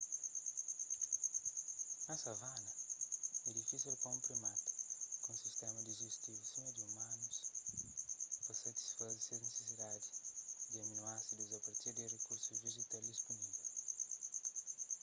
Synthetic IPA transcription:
ɐsɐvanɐ | edikiseɾkõpɾimat̪u̥kõsist̪ɛmɐd̪iʒeʃt̪ivusẽmed̪iumãnus | poset̪i̥sfazseɾnesesid̪ad̪i̥d̪iɐminuasid̪uzɐpɐɾt̪iɾd̪irekuɾsuzviʒit̪ald̪ispunivɛ

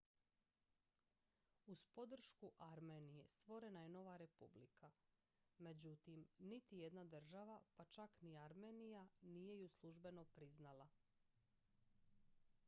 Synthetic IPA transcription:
uspo̞d̪r̩ʃkuʔaɾme̞nije̞st̪ʋo̞ɾe̞najeno̞ʋaɾe̞publikʰa | me̞d͡ʑut̪imnit̪ije̞d̪nad̪r̩ʒaʋapat͡ʃakniaɾme̞ːnijanije̞juslˠuʒbe̞no̞pɾiznalˠa

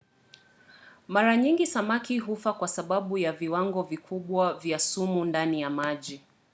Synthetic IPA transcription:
maɾaɲiŋɡisamakʰiɦufakwasaɓaɓujaviwaŋɡɔvikʰuɓwavjasumundanijamaʄi

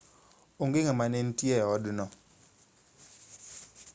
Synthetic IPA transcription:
oŋɡɪŋamanɛntjɛɔdnɔ

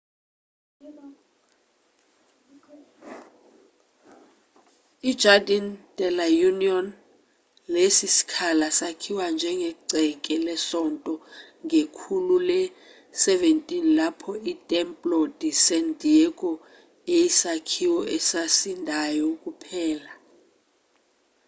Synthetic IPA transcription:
id̥d͡ʒʱadantʼɛlajuniɔn | lesisi̥kʰalasakʰiwand͡ʒʱɛŋɡɛǀɛkʼɛlɛsɔntʼɔ | ŋekʰululɛ | sɛventʼinlapʰɔitʼɛmpʼlod̥ʱisɛndʱiɛkʼɔ | ejisakʰiwɔɛsasindʱajɔkʼupʰɛːla

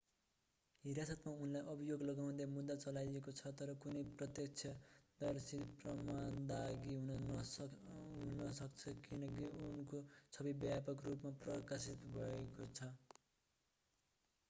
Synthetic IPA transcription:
ɦiɾjasʌt̪maunlajʔʌbʱijoɡlʌɡawnd̪amud̪ːat͡sʌlajekot͡sʰʌt̪ʌɾʌkunʌjprʌt̪jʌk̚t͡sʰjʌd̪ʌrsiprʌmand̪aɡiɦunʌ | ɦunʌsʌkt͡sʰʌkinʌkiunkot͡sʰʌbibjapʌkrupmaprʌkasit̪bʱʌekot͡sʰʌ

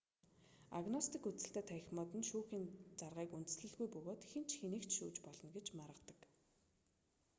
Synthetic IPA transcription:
aɣnɔst̪ikut͡sɘ̆ɬt̪eːt̪ʰæxʲmɔːt̪ɘ̆nʃuːxiːnt͡sarʁiːkunt̪ɘ̆sɮɘ̆ɮɣujpɵɣoːt̪xent͡ɕxenɘ̆kt̪ʃuːt͡ɕpɔɮɞ̆nɡet͡ɕmaɾʁə̆t̪ə̥̆k

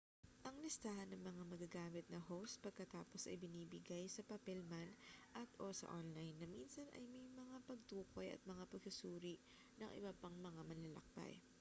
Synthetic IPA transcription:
ʔɐŋlɪst̪aːhɐnːɐŋmɐŋamɐɡaɡaːmɪt̪̚nɐhowst̪̚pɐɡ̚kɐt̪aːpo̞sɐ̰jbɪniːbɪɡajsɐpɐpɛlmanʔɐt̪ʔoːsɐ̰ʔonlajnːɐminsɐnʔɐ̰jmɐjmɐŋapɐɡ̚t̪uːko̞jɐ̰t̪̚mɐŋapɐɡsʊsuːɾiʔ | nɐŋʔɪ̰bɐpɐŋmɐŋamɐnlɐlɐ̰k̚pɐ̰j

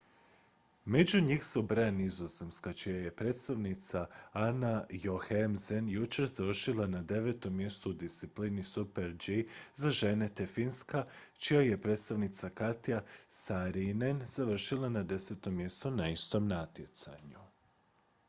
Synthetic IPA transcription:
me̞d͡ʑuɲixsubɾanizozemskat͡ʃijaje̞pɾe̞ːt̪st̪aʋnit̪saanajoxemzenjut͡ʃeɾzaʋr̩ʃilˠanad̪e̞ʋe̞t̪o̞mːje̞st̪uud̪ist̪siplinisupeɾd͡ʒizaʒe̞ne̞t̪efinska | t͡ʃijaje̞pɾe̞ːt̪st̪aʋnit̪sakat̪ijasaɾinenz̥aʋr̩ʃilˠanad̪e̞se̞t̪o̞mje̞st̪onaist̪o̞mnat̪je̞t̪sa̰ɲu

